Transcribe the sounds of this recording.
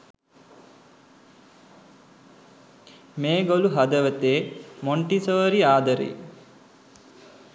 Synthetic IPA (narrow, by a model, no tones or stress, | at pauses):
meːɡoluɦɐd̪əʋət̪eːmoɳʈisoːɾiaːd̪əɾḛ